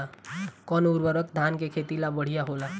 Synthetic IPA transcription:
akɔːnuɾbəɾək̚d̪ʱaːnkekʰet̪ilabəɽ̤ijaɦola

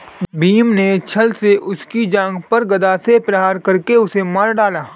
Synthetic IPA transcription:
biːmnet͡ʃʰɐlseʔʊskid͡ʒãːŋɡpɐɾɡɐd̪aːsepɾɐɦaːɾkɐɾkeʊsemaːɾɖaːlaː

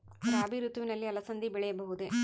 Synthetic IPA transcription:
ɐɾaːɐbʱiɾut̪ʋinɐlːiɐlɐsɐnd̪ibɛɭɛjɐbɐɦud̪e

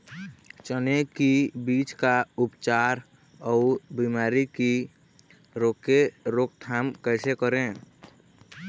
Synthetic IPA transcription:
t͡ʃənekibiːt͡ʃkaupt͡ʃaːɾ | ɔʊbimaːɾiki | ɾoːkeɾok̚t̪ʰaːmkəɪsekəɾẽ

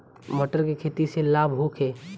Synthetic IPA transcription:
məʈəɾkekʰeːt̪iselaːbʱɦokʰeː

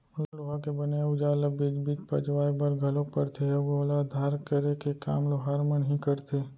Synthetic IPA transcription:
ʊlaloɦakebəneʊd͡ʒaːləbiːd͡ʒbiːt͡ʃpɐd͡ʒʋaːɾbəɾɡʱɐlõpəɽt̪ʰeoɡoːlad̪ʱaːɾkəɾekeka̰ːmloɦaːɾmənəɦĩkəɾt̪ʰe

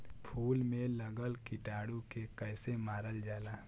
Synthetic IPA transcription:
pʰuːlmẽləɡəlkɪʈaːɽukekəɪsemaːɾəld͡ʒaːlaː

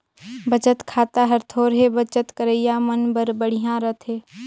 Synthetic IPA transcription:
bət͡ʃət̪kʰaːt̪aɦɐɾt̪ʰoːɾɦebət͡ʃət̪kəɾəijamənbəɾbəɽ̤iɦãɾət̪ʰɦeː

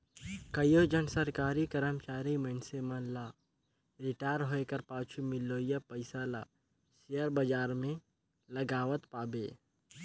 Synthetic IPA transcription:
kəjod͡ʒənsəɾkaːɾikəɾəmt͡ʃaːɾimənsemənlaː | ɾɪʈaːjɾɦoekəɾpaːt͡ʃʰumɪlːoːjapəɪsala̰ː | ʃejəɾbəd͡ʒaːɾmẽ | lɐɡaːʋət̪paːbḛː

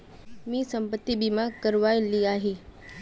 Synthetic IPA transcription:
mĩːsɐ̃mpət̪ːibimãkɐɾʋaːiliaːɦeː

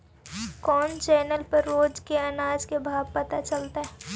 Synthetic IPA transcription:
kɔːnt͡ʃɛːnəlpɐɾːoːd͡ʒkeɐnaːd͡ʒkebʱaːb̚pɐt̪at͡ʃɐlt̪aɦɛː

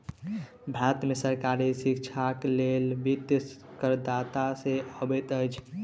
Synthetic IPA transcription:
bʱɾat̪mesəɾkaɾisikt͡ʃʰaklelbit̪skəɾd̪at̪aseəbɛt̪əjt͡ʃʰ

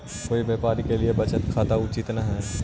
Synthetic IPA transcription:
koːibeːpaːɾikeliebɐt͡ʃət̪kʰaːt̪aʊt͡ʃɪt̪naɦɛː

